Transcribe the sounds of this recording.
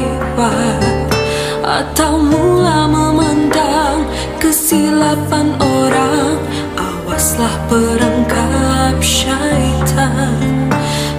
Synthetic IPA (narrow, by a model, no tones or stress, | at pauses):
wa | ʔa̰t̪awmulaməməndaŋ | kəsilapanʔoɾaŋ | ʔa | waslahpəɾəŋkap̚ʃait̪ʰa